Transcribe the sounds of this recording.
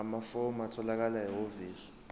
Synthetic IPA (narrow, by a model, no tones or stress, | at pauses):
amafɔmatʰɔlak̬alajɛoviːɬɔ̥